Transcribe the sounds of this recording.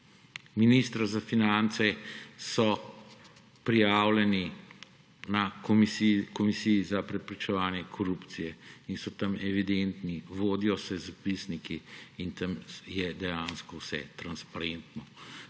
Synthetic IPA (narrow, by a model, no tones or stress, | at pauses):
minist̪ɾazafinant̪sɛsɔ | pɾijaːwlɛni | nakkɔmisijizapɾɛpɾit͡ʃɛʋaːnjɛkʰɔɾuːpt̪sijɛinsɔt̪ɐmɛʋid̪ent̪niʋoːd̪ijɔsɛzapisnikiːnt̪ɐmjɛd̪ɛjãnskɔwsɛ̰t̪ɾanspaɾent̪nɔ